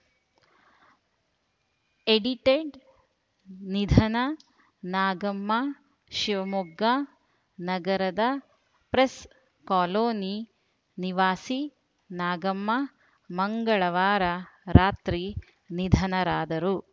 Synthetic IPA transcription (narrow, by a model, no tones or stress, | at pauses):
eɖiʈeɖ | nid̪ʱɐnɐ | naːɡɐmːɐ | ʃiʋɐmuɡːa | nɐɡɐɾɐd̪ɐ | pɾes | kaːloːni | niʋaːsi | naːɡɐmːɐ | mɐŋɡɐɭɐʋaːɾɐɾaːt̪ɾi | nid̪ʱɐnɐɾaːd̪ɐɾu